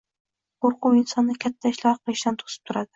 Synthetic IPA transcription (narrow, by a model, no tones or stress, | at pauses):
qʰoɾqʊwɪnsɒnːɪkʲʰat̪ʰːaɪʃlɒɾqɨlˠɪʃd̪ant̪ʰo̥sɪ̥p̚t̪ʰʊɾad̪ɪ̥